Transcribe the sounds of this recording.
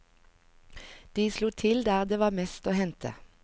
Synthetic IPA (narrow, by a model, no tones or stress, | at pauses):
d̪̥iːsluːt̪ʰɪld̪æːʁd̪eːʋɑːmɛst̪oːhɛnt̪ʰə̰